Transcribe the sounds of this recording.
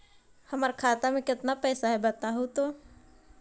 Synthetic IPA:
hɐmaɾkʰaːt̪amẽkɪt̪napɛːsaɦɛbɐt̪aɦut̪oː

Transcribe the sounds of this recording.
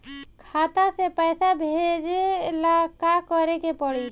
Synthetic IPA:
kʰat̪asepəjsabʱed͡ʒelakakəɾekepəɽi

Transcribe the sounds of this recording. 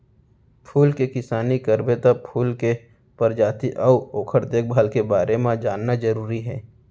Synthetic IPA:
pʰuːlkekɪsaːnikəɾbet̪əpʰuːlke | pɐɾd͡ʒaːt̪iʔɔʊoːkʰəɾd̪eːk̚bʱaːlkebaːɾemãd͡ʒaːnːad͡ʒəɾuːɾiɦɛː

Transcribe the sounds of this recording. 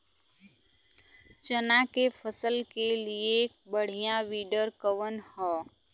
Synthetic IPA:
t͡ʃənakepʰəsəlkelie | bəɽ̤ijãʋiːɖəɾkəʋənhɔː

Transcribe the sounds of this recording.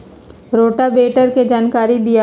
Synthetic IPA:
ɾoːʈabeːʈəɾked͡ʒaːnkaːɾid̪ija

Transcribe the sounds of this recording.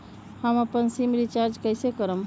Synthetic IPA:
həməpənsimɾit͡ʃaɾd͡ʒkəjsekəɾəm

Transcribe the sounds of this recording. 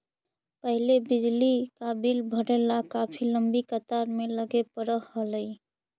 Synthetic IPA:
pəɦilebid͡ʒlikabilbʱəɽelakapʰiləmbikət̪aɾmeləɡepəɾəːələj

